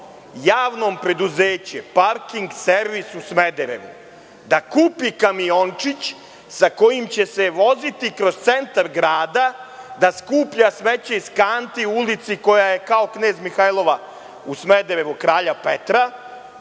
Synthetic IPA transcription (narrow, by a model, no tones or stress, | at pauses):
jaːʋno̞ːmpɾe̞d̪uzeːt͡ɕepaɾkiŋɡseɾʋisusme̞d̪eɾḛʋṵ | d̪akuːpikamio̞nt͡ʂit͡ɕ | sako̞jimt͡ɕe̞se̞ʋo̞zit̪ikɾo̞st̪se̞nt̪aɾɡɾaːd̪ad̪askuːpʎasmet͡ɕeiskaːnt̪iuulit̪siko̞jaje̞kao̞kne̞ːzmixajlˠo̞ʋa | usmed̪eɾe̞ʋukɾaːʎapet̪ɾa